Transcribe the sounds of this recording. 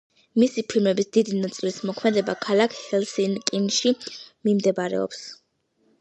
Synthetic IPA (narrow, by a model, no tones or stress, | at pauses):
misipʰilˠmɛbisd̪id̪inat̪sʼilismɔkʰmɛd̪ɛbakʰalˠakʰhɛlˠsinkʼinʃimimd̪ɛbaɾɛ̰ɔ̰ps